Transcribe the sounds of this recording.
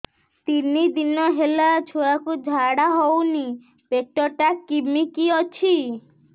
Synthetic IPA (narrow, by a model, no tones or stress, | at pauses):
t̪inid̪inɔɦelat͡ʃʰojakud͡ʒʱaɽaɦowni | peʈɔʈakːimikiɔt͡ʃʰi